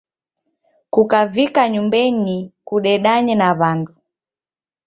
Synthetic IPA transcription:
kukavikaɲumbɛnikuɗɛɗaɲɛnaβandu

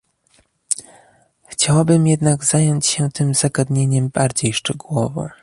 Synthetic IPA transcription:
xt͡ɕawabɘmjɛd̪naɡz̥ajɔɲt͡ɕɕɛt̪ɘmz̥aɡad̪ɲeɲɛmbaɾd͡ʑejʂt͡ʂɛɡuwɔvɔ̰

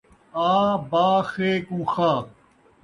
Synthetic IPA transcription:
aːbaːxeːkũːxaː

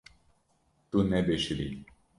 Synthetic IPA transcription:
t̪unɛbeʃiɾḭ

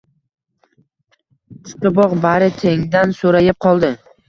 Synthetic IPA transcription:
t͡ʃʰɪ̥qɨbɒqbaɾɪt̪ʰe̞ŋd̪ansoɾajɪp̚qʰɒlˠd̪ɪ

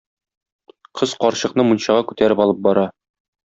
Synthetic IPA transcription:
qʰɤz̥qɒɾɕɤ̆qnɤmunɕɑʁɑkʉt̪æɾɘpɒlˠɤp̚bɒɾɑ

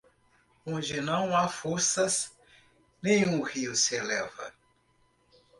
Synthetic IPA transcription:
õd͡ʒɪnɐ̃w̃afoɾsɐs | nẽj̃ũhiʊsɪelɛvɐ̰

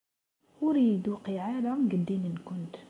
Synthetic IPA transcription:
wɾiːd̪wqiʕalamɡəd̪imənkʊnt̪

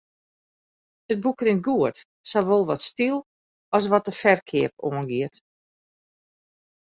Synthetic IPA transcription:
ət̚bukrɪnɡuət | soʋolˠʋɔtstilˠ | ɔs̬ʋɔt̚əfɛrkʰɪəp̚oənɡiət

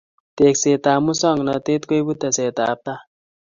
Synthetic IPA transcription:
t̪ekset̪amusʌŋɡnʌt̪et̪kojbut̪ːaset̪aːp̚t̪a

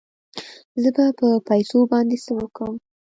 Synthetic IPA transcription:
zəbapəpajsobɑnd̪esəwəkɽəm

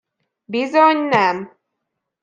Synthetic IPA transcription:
bizoɲnɛm

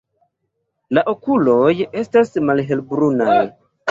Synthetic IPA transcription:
laʔokulo̞je̞stasmalɦe̞lbɾunaj

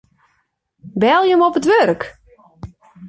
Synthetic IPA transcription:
bɛlˠjəmɔpətʋørk

